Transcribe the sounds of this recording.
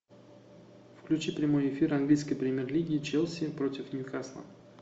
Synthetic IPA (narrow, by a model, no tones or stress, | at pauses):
fklʲʉt͡ɕipɾʲɪmo̞jɪfʲiɾanɡlʲijskəjpɾʲɪmʲerlʲiɡʲɪːt͡ɕɛlˠsʲɪpɾotʲɪfnʲʊkaslˠa̰